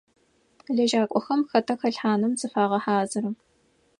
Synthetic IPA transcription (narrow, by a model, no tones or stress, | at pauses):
ɮɐʒaːkʷʼɔxɐmxɐtʰɐxɐɬħaːnɨmzɨfaːʁɐħaːzɨɾɨm